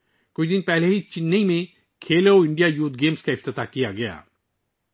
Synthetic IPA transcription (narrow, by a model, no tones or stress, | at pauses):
kʊt͡ʃid̪ɪnpɛːɦleɦit͡ʃɪnːeimẽ | kʰeːleoɪɳɖijaːjuːt̪̚ɡeːmskaɪft̪ɪt̪aːkijaɡɐja̰ː